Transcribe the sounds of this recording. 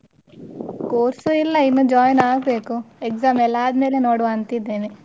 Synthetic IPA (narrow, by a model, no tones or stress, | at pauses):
koːɾsuilːɐinːud͡ʒaːjnaːɡbeːkuekzaːmɛlaːd̪meːlenoːɽuɐnt̪id̪eːni